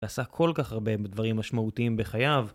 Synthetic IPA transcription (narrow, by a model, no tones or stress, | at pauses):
asakʰo̞lkaχhaʁbe̞d̪vaʁimːaʃmaut̪iimbeχajav